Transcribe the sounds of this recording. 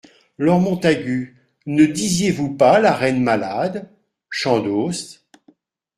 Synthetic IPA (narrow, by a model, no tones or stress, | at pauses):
lɔʁmɔ̃t̪aɡʲy | nəd̪izjevupalaʁɛnmalad̪ | ʃɑ̃d̪os